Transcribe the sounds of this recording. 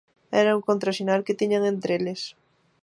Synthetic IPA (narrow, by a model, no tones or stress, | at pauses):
ɛ̰ɾauŋkont̪ɾaʃinalket̪iɲaŋent̪ɾeles